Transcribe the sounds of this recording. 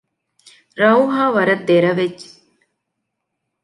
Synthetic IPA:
ɾɐwɦaːʋɐɾɐt̪̚d̪eɾɐʋed͡ʒ

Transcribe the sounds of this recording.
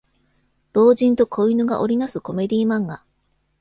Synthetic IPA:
ɾo̞ːʑĩnt̪o̞kʰo̞inɯ̟ɡa̰ʔo̞ɾʲinasɨko̞me̞d̪ʲiːmãŋɡa

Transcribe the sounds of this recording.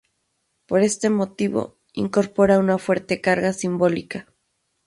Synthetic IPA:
po̞ɾe̞st̪e̞mo̞t̪iβo̰ | ḭŋko̞ɾpo̞ɾaunafwe̞ɾt̪e̞kaɾɣasimbo̞lika

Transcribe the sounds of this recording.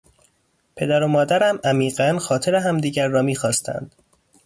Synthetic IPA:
pʰe̞d̪æɾomɒːd̪æɾæmæmiːɢænxɒːt̪ʰeɾeɦæmd̪iːɟæɾːɒːmiːxɒːst̪ʰæ̰nd̪̥

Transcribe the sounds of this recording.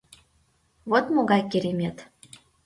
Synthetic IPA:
βot̪moɣɑjkiɾemʲet̪

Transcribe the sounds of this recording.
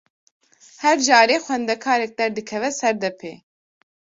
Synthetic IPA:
hɛɾd͡ʒɑːɾeːxʷɛnd̪ɛkʰaːɾɛk̚d̪ɛɾd̪ɨkʰɛvɛsɛɾd̪ɛpʰḛː

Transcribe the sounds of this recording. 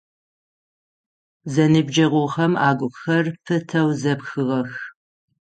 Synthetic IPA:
zɐnɨbd͡ʒɐʁʷʊχɐmaːɡʷʊxɐrpʰɨtʰɐwzɐpxɨʁɐx

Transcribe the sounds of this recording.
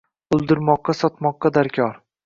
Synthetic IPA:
ʊlˠd̪ɪɾmɒqːɑsɒt̪mɒqːɑd̪aɾkʲʰɒɾ

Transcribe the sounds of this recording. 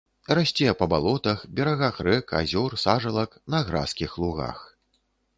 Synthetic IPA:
rasʲt͡sʲɛjɛpɐbalˠɔt̪ɐxbʲɛɾaɣaxrɛka̰zʲɔrsaʐɐlˠɐknɐɣɾa̰skʲixlˠuɣa̰x

